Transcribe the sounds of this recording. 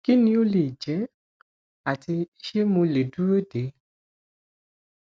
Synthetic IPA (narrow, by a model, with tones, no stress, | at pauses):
ki˦nĩ˧o˦le˨d͡ʒɛ˨˦ | a˨ti˧˦ʃe˦mũ˧le˨du˦ɾe˦de˨˦